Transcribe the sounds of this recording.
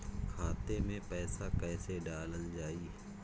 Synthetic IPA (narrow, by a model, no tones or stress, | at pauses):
kʰaːt̪emẽpɛːsakɛːseɖaːləld͡ʒaːiː